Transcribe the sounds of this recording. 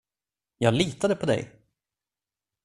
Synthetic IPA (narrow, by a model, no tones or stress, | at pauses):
jɑːɡliːt̪ad̪əpʰɔd̪ɛ̰j